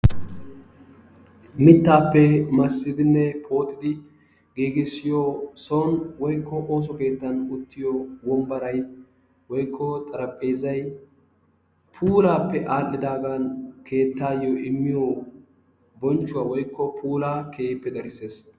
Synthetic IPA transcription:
mɪt̪ːaːpːɛmɐsːɪd̪ɪnːɛpʰo̞ːt̪ʼːɪd̪ɪ | ɡiːɡɪsːɪjosonwɔjkːɔʔo̞ːs̬ɔke̞ːt̪ːɐnʊt̪ːɪjɔwɔmbɐɾɐj | wɔjkʰːɔt̪ʼɐɾɐpʼːe̞ːzɐj | pʰuːlaːpːɛʔaːlːɪd̪aːɡankʰe̞ːt̪ːaːjoɪmːɪjo | bɔnt͡ʃːʊwaːwɔjkːɔpʰuːlaːkeːpːɛd̪ɐɾɪse̞ːs

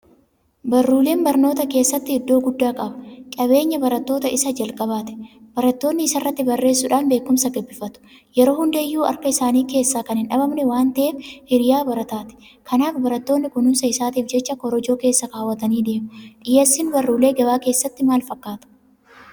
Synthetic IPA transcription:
bɐrːuːle̞ːnbɐɾno̞ːt̪ɐke̞ːsːɐt̪ːɪɪd̪ːo̞ːɡʊd̪ːaːkʼɐbɐkʼɐβe̞ːɲːɐbɐɾɐt̪ːo̞ːt̪ɐɪsɐd͡ʒɐlkʼɐbaːt̪ɛ̥b̥ɐɾɐt̪ːo̞ːnːɪːsɐrːɐt̪ːɪbɐrːe̞ːsːʊᶑaːnbe̞ːkːʊmsɐɡɐbːɪfɐt̪ʊ̥ | jɛɾo̞ːhʊnd̪eːjːuːɐ̰ɾkɐɪsaːniːke̞ːsːaːkɐnhɪnᶑɐbɐmnɛwaːnt̪ɐʔeːfhɪɾjaːbɐɾɐt̪aːt̪ɛ̥ | kʰɐnaːfbɐɾɐt̪ːoːnːɪkʊnʊnsɐɪsaːt̪iːfd͡ʒɛt͡ʃːɐkɔɾɔd͡ʒo̞ːkeːsːɐkaːwːɐt̪ɐniːd̪e̞ːmʊᶑɪjeːsːɪnbɐrːuːle̞ːɡɐbaːke̞ːsːɐt̪ːɪmaːlfɐkːaːt̪ɐ̥

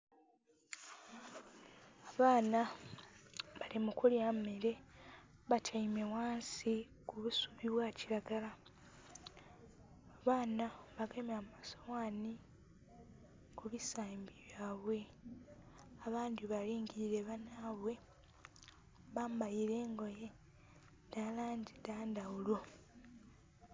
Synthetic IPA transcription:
aβaːna | βalimukuljameɾe̞ | βatʰaime̞waːnsi | kuβusuβiβwaːciɾaɡala | aβaːnaβaɡemamasowaːni | kuβisaːmbiβjaːβwe̞ | aβaːndiβaliːŋɡiɾiɾe̞βanaːβwe̞ | βaːmbajiɾe̞ːŋɡo̞je̞ | dalaːndidaːndawulo̞

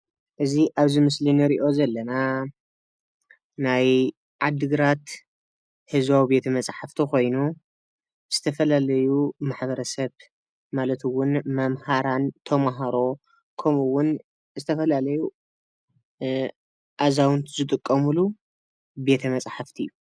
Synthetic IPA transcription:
ʔɨziʔaβzimɨslinɨɾiʔo̞zɐlːɐna | naj | ʕad̪ɨɡɨɾat̪ | hɨzβawibe̞t̪ʰɐmɐt͡sʼħaft̪ʰiko̞jnu | z̥ɨt̪ʰɐfɐlalɐjumaħβɐɾɐsɐβ | malɐt̪ɨwʊnmɐmhaɾant̪ʰɐmaɦaɾo̞ | kʰɐmuwʊn | zɨt̪ʰɐfɐlalɐju | ʔazawnt̪zɨt̪ʼɨkʼːɐmulu | be̞t̪ʰɐmɐt͡sʼħaft̪ʰijːu

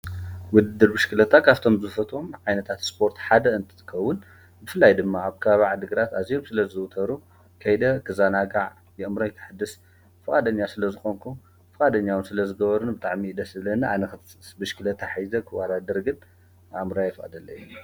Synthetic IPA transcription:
wɔd̪ɨd̪ːɨɾbɨʃkʰɨlɐt̪ʰakʰaβt̪ʰo̞mbɨzɨfɐt̪ʰʼomʕajnɐt̪ʰat̪spʰo̞ɾt̪ħad̪ɐɨnt̪ʰɨ̥t̪ʰɨ̥kʰːɐwːʊn | bɨfɨlːajd̪ɨmːaaβkʰɐβaβaʕd̪ɨɡɨɾat̪azijo̞msɨlɐzɨwt̪ʰɐɾu | kʰɐjd̪ɐkʰɨzanaɡaʕ | jɛʔɨmɾojkʰɨ̥ħɨd̪ːɨs | fɨkʼad̪ɐɲːasɨlɐzɨxo̞ŋkʰum | fɨkʼad̪ɐɲːawɨnsɨlɐzɨɡɐβɐɾunbɨt̪ʼaʕmid̪ɐsɨβlɐnɨʔanɐk̪sbɨʃkɨlɐt̪ʰaħajzɐkʰɨwad̪ad̪ɐɾɡɨn | ʔmɾajɛfkʼɐ̰d̪ɐlːɐju

